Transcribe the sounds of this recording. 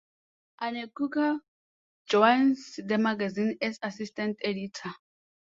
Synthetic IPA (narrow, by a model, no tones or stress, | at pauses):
anekuka | d͡ʒɔansd̪emaɡazinɛsasistãnteditʰa